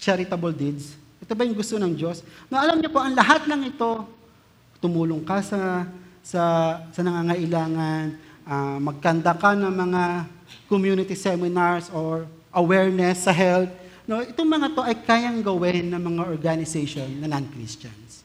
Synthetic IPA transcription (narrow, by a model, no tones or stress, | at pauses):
t͡ʃɛɾɪt̪ɐbold̪id̪sʔɛt̪obɐjʊŋɡʊst̪o̞nɐŋd͡ʒo̞snoʔɐlamɲopo̞ʔɐŋlɐɦat̪̚lɐŋɪt̪o̞ | t̪ʊmuːlʊŋkasɐsɐsɐnɐŋaːŋɐʔɪlaːŋɐnʔamɐɡ̚kɐnd̪akanɐŋmɐŋa | komjuːnɪt̪isɛmɪnaɹsoɹ | ʔɐwɛɹnɛsːɐɦɛlt̪̚no̞ʔɪt̪oŋmɐŋat̪o̞ʔɐjkaːjɐŋɡɐwɪnːɐŋmɐŋaʔoɹɡanɪsɛjʃonːɐnankɾḭst͡ʃɐ̰ns